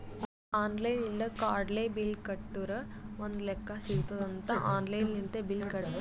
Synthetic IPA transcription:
aːnlɐjnilːɐkaːɾɖleːbilkɐʈːuɾɐ | ʋond̪lɛkːɐsiɡt̪ɐd̪ɐnt̪ɐʔaːnlɐjnːint̪ebilkɐɽb

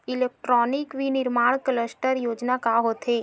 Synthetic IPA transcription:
ilek̚ʈɾɔnikʋinɪɾmaɳ̃kələsʈəɾjod͡ʒnakaɦot̪ʰe

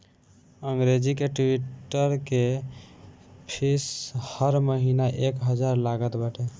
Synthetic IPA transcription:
əŋɡɾed͡ʒikeʈiʈʈːəɾke | pʰishəɾməɦinaʔekɦəd͡ʒaɾlaɡət̪bəʈe

